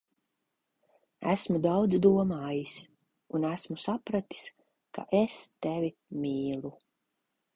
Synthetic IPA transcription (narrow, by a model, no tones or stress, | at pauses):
æ̰smud̪awd̪zd̪uɔmaːjis | unæsmusapɾat̪i̥s | ka̰ʔest̪ɛvʲimʲiːlˠu